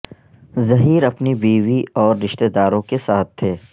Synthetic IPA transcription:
zɐɦiːɾɐpnibiːʋiɔːɾːɪʃt̪ed̪aːɾõkesaːt̪̚ʰːeː

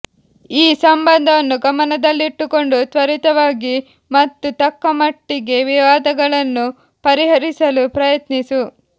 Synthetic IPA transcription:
iːsɐmbɐnd̪ʱɐʋɐnːuɡɐmɐnɐd̪ɐlːiiʈːuko̞ɳɖut̪ʋɐɾit̪ɐʋaːɡi | mɐt̪ːut̪ɐkːɐmɐʈːiɡe̞ʋiʋaːd̪ɐɡɐɭɐnːu | pɐɾiɦɐɾisɐlupɾɐjɐt̪nisu

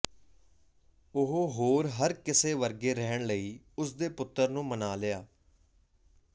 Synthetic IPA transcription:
ʊɦoɦoːɾɦəɾkɪseːʋəɾɡeːɾɛɦəɳləiː | ʊsd̪eːpʊt̪ːəɾnũːmənaːlɪjaː

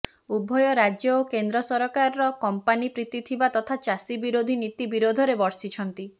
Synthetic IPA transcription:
ubʱɔjɔɾad͡ʒjɔokend̪ɾɔsɔɾɔkaɾɔɾɔkɔmpanipɾit̪it̪ʰibat̪ɔt̪ʰat͡ʃasibiɾod̪ʱinit̪ibiɾod̪ʱɔɾebɔɾsit͡ʃʰɔnt̪i

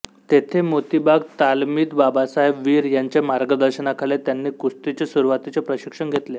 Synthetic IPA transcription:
t̪et̪ʰemot̪ibaɡt̪almiːt̪babasaɦebʋiːɾjaɲt͡ɕemaɾɡəd̪əɾɕənakʰalet̪janːiːkust̪it͡ɕesuɾuʋat̪it͡sepɾəɕikʂəɳɡʱet̪le

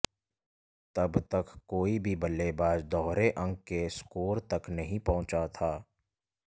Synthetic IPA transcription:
t̪ɐbt̪əkːoːibʱibɐlːebaːd͡ʒd̪ɔːɦɾeʔə̃ŋɡkeskoːɾt̪ɐknɐɦĩpɐɦʊ̃t͡ʃat̪ʰaː

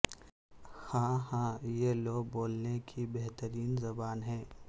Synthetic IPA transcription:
hãːɦãːjeloːɡ̚boːlnekʰibeɦt̪əɾiːnzɐbaːnɦɛ̃ː

